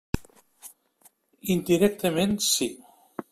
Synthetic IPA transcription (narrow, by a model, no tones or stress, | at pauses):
ind̪iɾɛk̚t̪əmẽnsi